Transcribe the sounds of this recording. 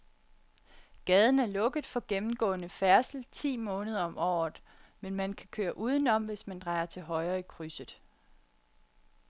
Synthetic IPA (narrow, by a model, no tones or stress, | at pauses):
ɡ̥ɛːð̞ˠn̩æɐlɔ̽ɡ̥əð̩ˠfɒ̽ɡ̥emm̩ɡ̥ɔ̰̽ːnəfæɐsl̩t͡sʰḭːmɔ̽ːnəð̞ˠɐɒ̽mɒ̰ːð̩ˠmenmænkʰækʰø̰ːɐʔuːð̞ˠən̩ɒ̽m̰ʋe̝smænd̥ʁɑ̈ɪɐt͡sʰe̝lɦɒ̽ɪɐːikʰʁysəðˠ